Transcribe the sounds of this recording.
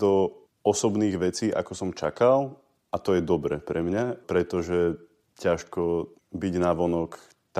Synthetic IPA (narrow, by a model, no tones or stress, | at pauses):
d̪ɔ | ɔsɔbniːɣʋɛt͡siːʔa̰kɔsɔmt͡ʃakal | ʔat̪ɔjɛd̪ɔbɾɛpɾɛmɲapɾɛt̪ɔʒɛ | caʃkɔbiɟnaʋɔnɔk | t̪